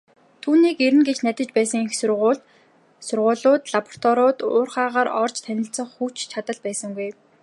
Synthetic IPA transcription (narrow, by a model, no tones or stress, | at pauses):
t̪ʰuːniːkeɾɘ̆nɡet͡ɕnæt̪ʲə̆t͡ɕpæːsə̆ŋixsʊrʁʊːɮt̪ | sʊrʁʊːɮʊːt̪ɮapɔ̥r̥t̪ʰɔɾʊːt̪ʊːrχaːʁaːɾɔrt͡ɕʰt̪ʰænʲɪ̆ɬt͡sə̆ɴχxuːt͡ɕt͡ɕʰat̪ə̆ɮpæːsə̆ŋɡuj